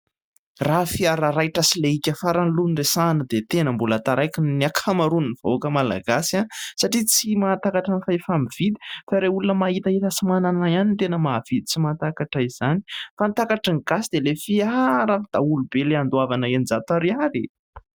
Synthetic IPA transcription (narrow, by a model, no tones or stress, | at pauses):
rafiaɾaɾajʈ͡ʂəsileikʲəfaɾanluniresanəd̪et̪enəmbulat̪aɾajkinniakʰamaɾuniniv̥a̰oakəmala̰ɡasiansaʈ͡ʂit͡simat̪akaʈ͡ʂanfaefamiv̥id̪i̥faɾeulunəmaɦit̪ait̪asimananajanint̪enəmav̥id̪it͡simant̪akaʈ͡ʂaiz̥ani̥fant̪akaʈ͡ʂəŋiɡasid̪elefiaɾafad̪̥aulubeleand̪uavanəenzat̪aɾiaɾi